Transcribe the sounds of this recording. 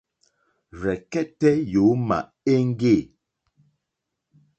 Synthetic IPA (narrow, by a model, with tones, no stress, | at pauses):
ɾɛ˨kɛ˦tɛ˦jo˨˦ma̰˨ | e˦ŋ̩˦ɡe˦˨